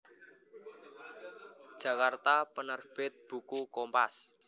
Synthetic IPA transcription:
d̥ʒ̥ä̤kart̪apənərb̥ɪt̪̚b̥ṳkukɔmpas

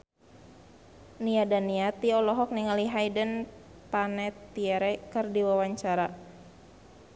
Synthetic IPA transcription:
niadaniat̪iɔlɔɦɔk̚niŋaliɦajdən | panɛt̪iɛɾɛkərdiwawaɲt͡ʃaɾa

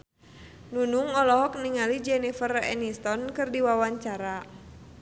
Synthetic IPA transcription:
nunuŋɔlɔɦɔk̚niŋalid͡ʒɛnifərɛ̰nist̪ɔnkɨrdiwawaɲt͡ʃaɾa

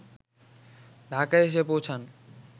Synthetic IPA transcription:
ɖʱakaeʃ̬epowt͡ɕʰan

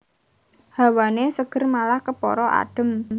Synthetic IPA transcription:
ha̤wanesəɡ̥ə̤rmalahkəpɔ̰ɾɔʔa̰ɖ̥ə̤m

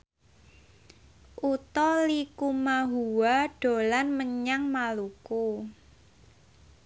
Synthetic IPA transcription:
ʔut̪ɔlikumaɦuwaɖ̥o̤lanməɲaŋmaluku

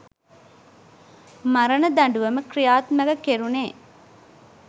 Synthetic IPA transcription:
mɐɾɐnɐd̪ɐɳɖuʋɐməkrijaːt̪mɐɡɐkeɾuneː

